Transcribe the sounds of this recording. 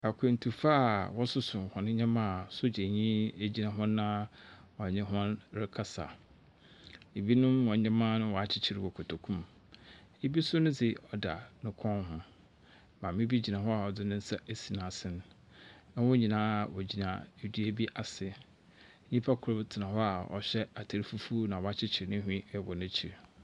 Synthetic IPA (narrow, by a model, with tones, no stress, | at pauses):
a˨kʰẽ˨n̩˨tʰu˨fa˦˨wɔ˦sʊ˦sʊ˨hɔ̃˨nɪ̃˦ɲã˦mã˦˨sʊ˦d͡ʑe˨ɲĩ˦e˦d͡ʑi˦nã˨ɦʊ̃˦nã˦wɔ̃˨ɲɪ̃˦ɦɔ̃˦nɾɪ˦kʰa˦sa̰˨ | e˨bi˦nʊ̃˦mwɔ̃˨ã˦mã˦nʊ̃˦wɔ˨a˨t͡ɕʰɪ˦t͡ɕʰɪ˦ɾɪ˨wɔ˨kʰɔ˨tʰo˨kʰũ˦m | e˦bi˦sʊ˦nʊ̃˦d͡zɪ˨ɔ˨da̰˨nʊ̃˦kʰɔ̃˦nɦʊ̃˦ | mã˨mĩ˦bi˦d͡ʑi˨nã˨ɦɔ˦a˨ɔ˨dɪ˦nɪ̃˦n̩˦sɛ˦ʔe˦si˨nã˨sɪ̃˦n˦ | ã˦wɔ˦ɲĩ˨nãː˦˨wɔ˨d͡ʑi˨nã̰˨di˦e˨bi˦ʔa˨sɪ˨˦ | ɲĩ˦pʰa˦kʰʊ˨ɾʊ˦btʰɪ˨nã˨hɔ˦a˨ɔ̰˨ɕᶣɛ˦a˨tʰa˨ɾi˦fu˦fu˦nã˨wɔ˨a˦t͡ɕʰɪ˦t͡ɕʰɪ˨ɾɪ˨nɪ̃˦ɦᶣĩ˦˨wɔ˨nɪ̃˦t͡ɕʰi˨ɾ